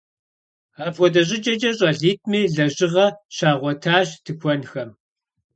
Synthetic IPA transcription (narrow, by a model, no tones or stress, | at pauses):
aːpxʷɔdɐɕ̬ʼɪd͡ʒʼɐd͡ʒʼɐɕʼɐɮiːt̚ʰʼmiːɮɐʑɪʁɐɕaːʁʷɔtʰaːɕtʰɨxʷɔnxɐm